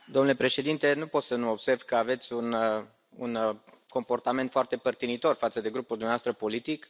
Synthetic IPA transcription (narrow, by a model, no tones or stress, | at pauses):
d̪omnule̞pɾe̞ʃe̞d̪int̪e̞nupo̞t̪sənuobse̞rvkəave̞t̪sʲun | un | ko̞mpo̞rt̪ame̞nt̪foart̪e̞pərt̪init̪o̞rfat̪səd̪e̞ɡɾupuld̪umnavast̪ɾəpo̞lit̪ik